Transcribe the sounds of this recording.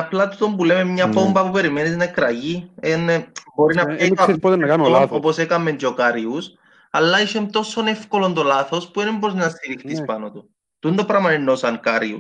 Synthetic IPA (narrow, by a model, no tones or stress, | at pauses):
aplɐt̪ut̪o̞mpulememɲɐbombɐpupe̞ɾimenisnakɾɐʝienbo̞ɾinɐpipot̪enɐkamioposekɐmːend͡ʒokaɾius | alːɐiʃemt̪o̞so̞ne̞fkolo̞nd̪olaθo̞spuenempɾoznɐst̪iɾixt̪ispanot̪o | t̪und̪opɾɐmɐɾinːosaŋkaɾiṵ